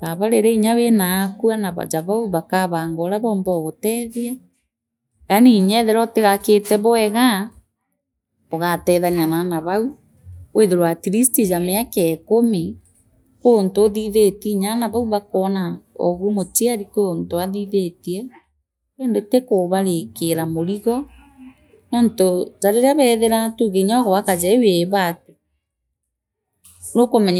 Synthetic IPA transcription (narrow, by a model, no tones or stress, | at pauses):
βaβaɾeɾeiɲawenaːkuanaβa̰d͡ʒaβauβakaβaːŋɡɔɾaβɔːmbɔɣotɛðiɛ | aniɲɛðeɾɔteɣaketɛβɔɛɣa | oɣatɛðaɲananaβau | weðeɾwatiɾistid͡ʒameakɛkome | koontooðiðetiɲanaβauβakɔnaɔ̰ɣumotiaɾikoontoaðiðetiɛ | eːndotekoβaɾekeɾamoɾiɣɔ | nɔntozaɾeɾaβɛðeɾatuɣeɲɔɣɔβakazɛweβato | nokomɛɲ